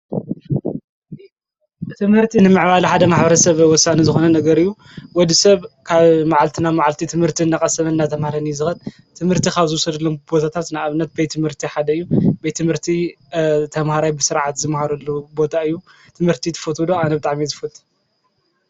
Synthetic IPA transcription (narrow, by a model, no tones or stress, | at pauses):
t̪ʰɨmhɨɾt̪ʰinɨmɨʕβalħad̪ɐmaħbɐɾɐsɐβwɔsːanizɨxo̞nɐnɐɡɐɾɨjːu | wɔd̪isɐβkʰaβmaʕalt̪ʰɨnamaʕalt̪ʰit̪ʰɨmhɨɾt̪ʰiɨnːakʼɐsɐmɐnːat̪ʰɐmhaɾanijzɨxɐt̪ | t̪ʰɨmhɨɾt̪ʰikaβzɨwɔsɐd̪ɐlːo̞mbo̞t̪ʰat̪ʰat̪naaβɨnːɐt̪̚bejt̪ʰːɨmhɨɾt̪ʰiħad̪ɐɨjːubɐejt̪ʰːɨmhɨɾt̪ʰi | t̪ʰɐmhaɾajbɨsɨɾʕat̪zɨmhaɾɐlːubo̞t̪ʰaɨjːu | t̪ʰɨmhɨɾt̪ʰit̪ʰɨ̥fot̪ʰud̪oanɐbɨt̪ʼaʕmizɨfɨlt̪ʼ